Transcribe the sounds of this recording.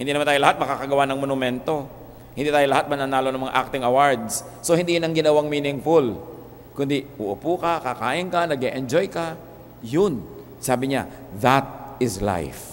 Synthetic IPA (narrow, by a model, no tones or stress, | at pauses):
hɪnd̪inɐmant̪ajlɐhat̪̚mɐkaːkɐɡɐwanɐŋmonʊmɛnt̪o̞ | hɪnd̪iːt̪aːjolɐhat̪̚mɐnanaːlonɐŋmɐŋa̰ʔa̰k̚t̪ɪŋɐwaɹd̪s | sohɪnd̪ijʊnɐŋɡɪnɐwaŋmiːnɪŋfʊl | kʊnd̪iʔʊʔʊpukɐkakaːʔɪnkɐnɐɡeʔɛnd͡ʒojkɐ | jʊn | saːbɪɲa̰ | ðat̪̚ɪsla̰jf